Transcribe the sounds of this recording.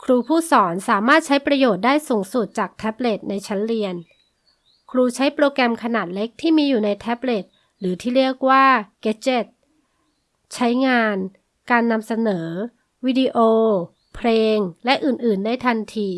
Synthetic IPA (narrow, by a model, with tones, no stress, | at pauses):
kʰɾuː˧pʰuː˥˩sɔː˩˦nsaː˩˦maː˥˩t̪̚t͡ɕʰa˦˥jpɾa˧joː˨˩t̪̚daː˥˩jsuː˩˦ŋsu˨˩t̪̚t͡ɕaː˨˩k̚t̪ʰɛ˦˥p̚le˨˩t̪̚na˧jt͡ɕʰa˦˥nɾi˧ən | kʰɾuː˧t͡ɕʰa˦˥jpɾoː˧kɛ˧mkʰa˧naː˨˩t̪̚le˦˥k̚t̪ʰiː˥˩miː˧juː˨˩na˧jt̪ʰɛ˦˥p̚le˨˩t̪̚ | ɾɯː˩˦t̪ʰiː˥˩ɾi˥˩ək̚waː˥˩ke˦˥t̪̚t͡ɕe˨˩t̪̚ | t͡ɕʰa˦˥jŋaː˧n | kaː˧nːa˧msa˧nɤː˩˦ | wi˦˥di˧ʔoː˧ | pʰleː˧ŋlɛ˦˥ʔɯː˨˩nʔɯː˨˩nːa˧jt̪ʰa˧nt̪ʰiː˧